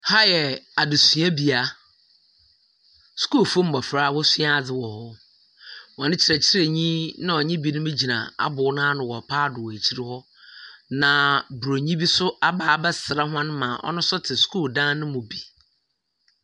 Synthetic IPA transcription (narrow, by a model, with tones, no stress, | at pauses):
ha˦jɛ˨a˨dɪ˨su˨˦a˦bi˨a˦ | su̥˦koː˦˨fo˦m̩˨ma˨fɾa˦˨wɔ˦sɪ˦a˦˨d͡zɪ˦wɔ˨hɔ˦ | wɔ˨nɪ̃˦t͡ɕʰɪ˨ɾɛ˨t͡ɕʰɪ˦ɾe˨ɲĩ˦nã˦ɔ˨ɲɪ̃˦bi˦nʊ̃˦mɪ̃˦d͡ʑi˨nã̰˨a̰˦bʊ˨˦nã˦nʊ̃˨wɔ˨pʰaː˦˨dʊ˨we˨t͡ɕʰi˦ɾɪ˦hɔ˦ | nã˨bɾo˨ɲĩ˦bi˦sʊ˦a˦baː˦˨bɛ˦sɪ˨ɾa˦ɦʊ˦ã˦n˦mã˨ʔɔ̰˦nʊ̃˦sʊ˦tʰɪ˨su̥˦kʰo˦˨dã˦nʊ̃˦mʊ̃˨bi˨